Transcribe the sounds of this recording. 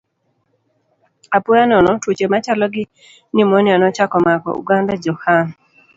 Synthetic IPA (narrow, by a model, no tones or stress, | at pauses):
apɔjanɔnɔtwot͡ʃemat͡ʃalɔɡɪ | nɪmɔnɪanɔt͡ʃakɔmakɔ̰ṵɡandad͡ʒɔhan